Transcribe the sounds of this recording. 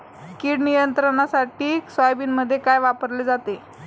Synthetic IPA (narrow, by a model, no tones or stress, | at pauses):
kiːɽnijənt̪ɾəɳasaʈiːksajbiːnməd̪ʱːjekajʋapəɾled͡zat̪e